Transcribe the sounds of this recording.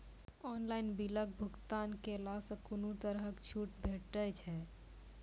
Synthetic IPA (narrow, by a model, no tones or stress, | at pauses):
ɔːnlaːɪnbilək̚bʱʊɡt̪aːnkelaːsəkʊnut̪əɾɦəkt͡ʃʰuːʈbʱeːʈːət͡ʃʰɛː